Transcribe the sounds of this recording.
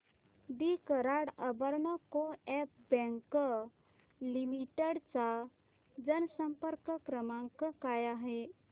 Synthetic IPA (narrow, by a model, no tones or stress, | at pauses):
d̪ikəɾaɽəbəɾɳəkoɛp̚bɛ̃ŋkə | limiʈəɽt͡sa | d͡zənsəmpəɾkəkɾəmãŋkəkajaɦe